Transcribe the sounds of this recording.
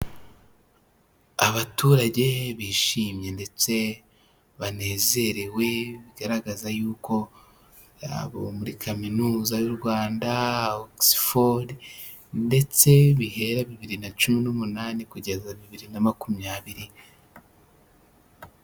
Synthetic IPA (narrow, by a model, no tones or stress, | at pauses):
aβatuɾaɟe̞βiːʃiːmɲe̞nde̞t͡se̞ | βane̞ːze̞ɾe̞we̞βiɡaɾaɡazajuːko̞ | ɾa̰βo̞muɾikʰaminuːzajuɾɡwaːndaoksi̥fodi | nde̞t͡se̞βihe̞ɾaβiβiɾinat͡ʃuminumunaːnikuɟe̞zaβiβiɾinamakumjaːβiɾi